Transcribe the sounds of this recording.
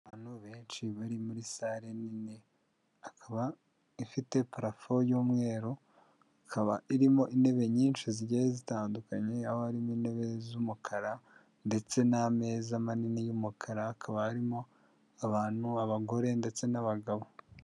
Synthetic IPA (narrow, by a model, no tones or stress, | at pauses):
aβan̥huβeːnʃiβaɾimuɾisaɾenine | akʰaβa | ifite̞paɾafojuːmŋe̞ːɾo | akʰaβa̰ʔiɾimo̞ʔine̞βe̞ɲiːnʃiziɟeezitaːndukaɲe̞ahohaɾimine̞βe̞zumukʰaɾa | nde̞t͡se̞name̞ːzamaninijumukʰaɾaakʰaβahaɾimo̞ | aβaːn̥huaβaɡo̞ɾe̞nde̞t͡se̞naβaɡaβo̞